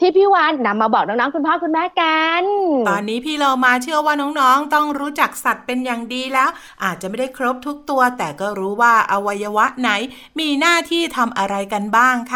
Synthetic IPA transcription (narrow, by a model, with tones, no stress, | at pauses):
t̪ʰiː˥˩pʰiː˥˩waː˨˥nːa˧mːaː˧bɔː˨˩k̚nɔː˦˥ŋnɔː˦˥ŋkʰu˧npʰaː˥˩kʰu˧nmɛː˦˥ka˧nt̪ɔː˧nːiː˦˥pʰiː˥˩loː˧maː˧t͡ɕʰɯ˥˩ɐwaː˥˩nɔː˦˥ŋnɔː˦˥ŋt̪ɔ˥˩ŋɾuː˦˥t͡ɕa˨˩k̚sa˨˩t̪̚pe˧njaː˨˩ŋdiː˧lɛː˦˥wʔaː˨˩t̪̚t͡ɕa˨˩ma˥˩da˥˩jkʰɾo˦˥p̚t̪ʰu˦˥k̚t̪u˧ɐt̪ɛː˨˩kɔː˥˩ɾuː˦˥waː˥˩ʔa˧wa˧jːa˧wa˦˥ʔna˩˦˥j | miː˧naː˥˩t̪ʰiː˥˩t̪ʰa˧mʔa˧ɾa˧jka˧nbaː˥˩ŋkʰa˦˥